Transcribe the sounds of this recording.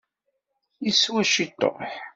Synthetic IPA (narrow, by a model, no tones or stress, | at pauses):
jiswæʃit̪ˤːo̰ħ